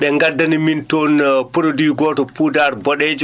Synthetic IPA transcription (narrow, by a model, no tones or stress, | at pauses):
ɓɛŋɡadːanimintonpuɾodwiɡɔːtɔpudaɾbɔɗed͡ʒ